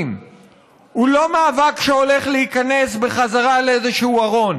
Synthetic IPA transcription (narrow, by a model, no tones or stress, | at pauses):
m | hulo̞maːvakʃeo̞le̞χleikane̞sbe̞χazaʁaleezeʃehuaʁo̞n